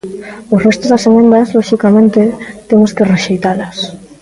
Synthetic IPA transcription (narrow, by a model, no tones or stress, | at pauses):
ʊrest̪ozðaseɣend̪aslɔʃikamẽnt̪et̪emʊskereʃejt̪alas